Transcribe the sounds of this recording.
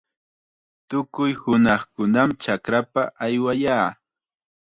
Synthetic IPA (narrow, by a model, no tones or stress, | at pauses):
t̪ʊkʊjhʊnɑχkʊnamt͡ʃakɾapaʔajwajaː